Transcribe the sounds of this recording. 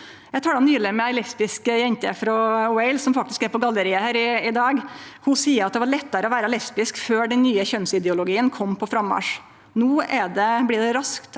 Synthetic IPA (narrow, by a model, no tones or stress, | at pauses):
jæt̪ʰɑːɖɑnyːləmːəɛlɛspɪskəjɛnt̪ə̰fɾɔwɛɪlsɔmfɑk̚t̪ɪskɛɾpɔɡɑlːəɾɪəhæːɾɪɪd̪ɑːɡhʊsiːəɾɑt̪̚d̪ɛʋɑɾɭɛt̪ːəɾəɔʋæːɾəlɛspɪskføːɖɛnnyːəçœnsɪd̪ɛʊlʊɡiːənkʰɔmːpʰɔfɾɑmːɑ̰ːʂ | nuːɛɖɛblɪːɖɛɾɑskt̪